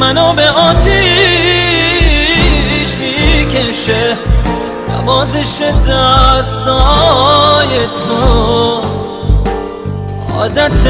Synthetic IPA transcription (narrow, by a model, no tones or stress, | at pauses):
mænobeʔɒːt̪ʰi | ʃmikeʃe | næ̰bɒːzeʃed̪æst̪ɔ | jet̪ʰo | ɒ̰ːd̪æt̪ʰ